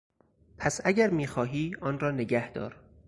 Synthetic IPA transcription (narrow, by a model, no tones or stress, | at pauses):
pʰæsæɟæɾmiːxɒːɦiːɒːnɾɒːne̞ɟæhd̪̥ɒ̰ːɾ